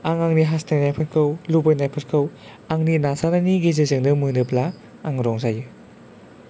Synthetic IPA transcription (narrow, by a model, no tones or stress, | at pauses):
aŋaŋniɦastajnajpʰɯt̚kʰɯwlubɯjnajpʰɯt̚kʰɯw | aŋninasananiɡezezɯŋdɯmɯndɯplaː | ŋɾɔŋzajɯ